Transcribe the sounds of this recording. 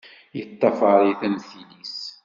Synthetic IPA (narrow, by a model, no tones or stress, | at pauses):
jət̪ˤːɑfɑɾˤiθænθilis